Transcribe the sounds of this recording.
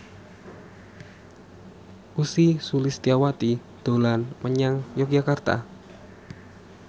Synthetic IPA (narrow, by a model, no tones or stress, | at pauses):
ʔusisulɪst̪iawat̪i | d̪̥o̤lanməɲaŋjɔk̚d͡ʒakart̪a̰